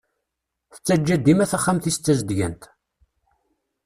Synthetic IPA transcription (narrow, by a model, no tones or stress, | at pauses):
θə̥t͡sːæd͡ʒːæd̪ːimæθæχːamθist͡sːæzd̪ʝənt̪